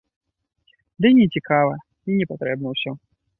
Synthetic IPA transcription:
d̪ɨnʲɛt͡sʲikavɐ | inʲɛpat̪ɾɛb̚nəwsʲɔ

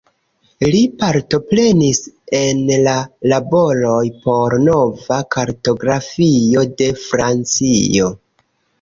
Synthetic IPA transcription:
lipaɾto̞pɾe̞nise̞nlalabo̞lo̞jpo̞ɾno̞vakaɾto̞ɡɾafio̞de̞fɾant͡sio̞

